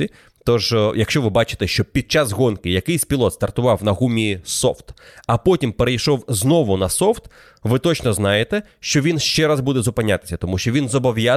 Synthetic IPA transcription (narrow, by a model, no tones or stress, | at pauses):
i | t̪ɔʒjɐkʃt͡ʃɔʋɪbɑt͡ʃɪ̥t̪ɛʃt͡ʃɔpʲid̪̚t͡ʃazɦɔnkɪjɐkɪjsʲpʲilˠɔt̪st̪ɐrt̪ʊʋɑwnɐɦumʲiisɔ̰ft̪ɐpɔtʲimpeɾejʃɔwznɔʋʊnɐsɔft̪ | ʋɪt̪ɔt͡ʃnɔznɑjet̪ɛ | ʃt͡ʃɔʋʲinʃt͡ʃɛɾazbud̪ɛzʊpɪnʲːat̪ɪ̥sʲɐt̪ɔmuʃt͡ʃɔʋʲinzɔbɔʋja